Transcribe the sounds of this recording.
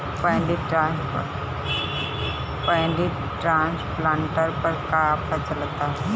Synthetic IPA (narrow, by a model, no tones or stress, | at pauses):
pə̃jɳɖiʈɾas | pəjɳɖi | ʈɾãnsplaɳʈəɾpəɾkapʰət͡səlt̪a